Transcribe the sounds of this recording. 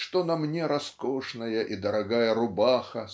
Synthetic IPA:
ʂt̪onɐmnʲeɾɐskoʂnɐjəʔid̪ɐɾɐɡajəɾʊbaxɐ

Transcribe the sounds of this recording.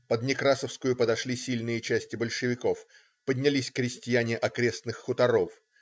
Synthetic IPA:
pəd̪nʲɪkɾasəfskʊjʊpəd̪ɐʂlʲisʲilʲnɨjət͡ɕæsʲtʲɪbəlʲʂɨvʲɪko̞f | pədʲnʲɪlʲisʲkɾʲɪsʲtʲɪjænʲɪʔɐkɾʲe̞snɨxːʊt̪ɐɾo̞f

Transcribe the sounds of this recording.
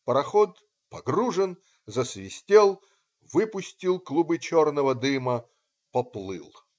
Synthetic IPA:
pəɾɐxot̪ | pɐɡruʐɨn | zəsvʲɪsʲtʲelˠ | vɨpʊsʲtʲilˠklˠubɨt͡ɕornəvəd̪ɨmə | pɐplˠɨ̰lˠ

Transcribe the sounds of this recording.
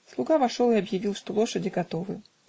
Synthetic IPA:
slˠuɡavaʂɔw̪ɨɐbjavʲilˠʂt̪ɔlˠɔʂɐd͡zʲiɡat̪ɔvɨ

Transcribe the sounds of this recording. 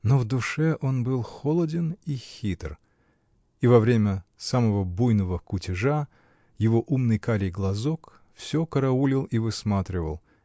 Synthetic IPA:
novd̪ʊʂɛʔo̞nbɨlˠxolˠədʲɪnixʲit̪r | ivɐvɾʲemʲəsaməvəbujnəvəkʊtʲɪʐa | jɪvo̞ʔumnɨjkaɾʲɪjɡlˠɐzok | fsʲokəɾɐulʲɪlˠivɨsmat̪ɾʲɪvə̰lˠ

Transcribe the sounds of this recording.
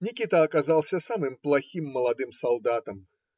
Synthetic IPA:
nʲikʲit̪ɐːkazalˠsʲɐsamɨmplˠaxʲimːɐlˠad̪ɨmsalˠd̪at̪ɐm

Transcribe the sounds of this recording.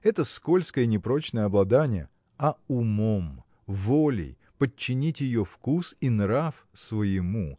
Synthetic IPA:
ɛt̪əsko̞lʲskəjənʲɪpɾo̞t͡ɕnəjəɐblˠɐd̪anʲɪjə̰ | ɐʊmom | volʲɪ̰j | pət͡ɕːɪnʲitʲjɪjofkusinɾafsvəjɪmu

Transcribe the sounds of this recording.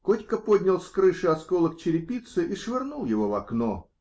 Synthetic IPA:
kotʲkəpod̪ʲnʲɪlˠsʲkɾɨʂɨɐt̪skolˠək̚t͡ɕɪɾʲɪpʲit̪sɨʔiʂvʲɪrnulˠjɪvo̞vɐkno

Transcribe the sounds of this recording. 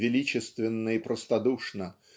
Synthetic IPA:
vʲɪlʲit͡ɕɪst̪vʲɪnːəipɾəst̪ɐd̪uʂnə

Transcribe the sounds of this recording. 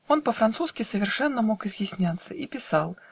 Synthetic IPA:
onpəfɾant̪suskʲɪsəvʲɪrʂɛnːəmokɪzjɪsʲnʲat̪sːəʔipʲɪsalˠ

